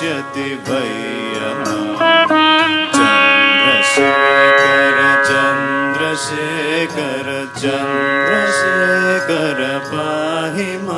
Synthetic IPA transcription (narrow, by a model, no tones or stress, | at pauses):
ɐt̪iʋɐj | ɐma | t͡ʃɐnd̪ɾɐʃet͡ʃɐɾɐt͡ʃɐnd̪ɾɐʃe | kɐɾɐ | t͡ʃɐnd̪ɾɐʃekɐɾɐpaɦima